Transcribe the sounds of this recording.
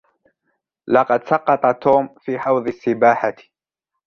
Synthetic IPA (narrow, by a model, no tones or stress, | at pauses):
lɑqɑd̪sɑqːɑt̪ˤɑt̪ʰoːmfiːħɑwðˤɨsːɪbaːħat